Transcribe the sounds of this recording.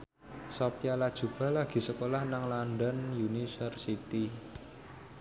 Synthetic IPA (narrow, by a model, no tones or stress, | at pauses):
sɔpjalad̥ʒ̥ṳb̥a̤laɡ̥i̤səkolahnaŋlanɖənjunisərsit̪i